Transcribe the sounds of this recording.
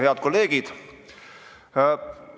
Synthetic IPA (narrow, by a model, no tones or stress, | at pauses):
heɑd̪̥̚ko̞lːe̞ːɡ̥id̪̥